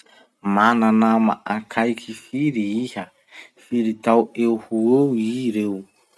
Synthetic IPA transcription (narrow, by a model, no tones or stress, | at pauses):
mananama̰ʔakʰajkʰifiɾiiha | fiɾit̪awewhuowiɾew